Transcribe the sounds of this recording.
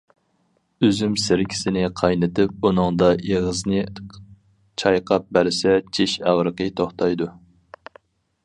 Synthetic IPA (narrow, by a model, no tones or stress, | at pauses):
øzymsɪɾkʲʰɪ̥sɪnɪqʰɑjnɨt̪ɪp̚unɨŋd̪ɑeʁəznɨ | t͡ʃʰɑjqʰɑp̚bæɾsɛt͡ʃʰeʃæʁɾəqət̪ʰoχt̪ʰɑjd̪u